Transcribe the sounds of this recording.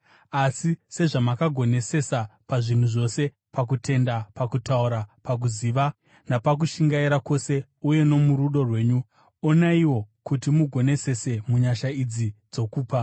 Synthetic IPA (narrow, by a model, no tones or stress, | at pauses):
asise̞ʐamakaɡʱo̞ne̞se̞sapaʐin̤uʐo̞se̞ | pak̬ute̞ndapakutauɾapak̬uziːʋa | napak̬uʃiŋɡaiɾako̞se̞ | uje̞no̞muɾuɗo̞rwe̞ːɲu | o̞naiwo̞kutimuɡʱo̞ne̞se̞se̞muɲaʃaid͡zid͡zo̞kuːpa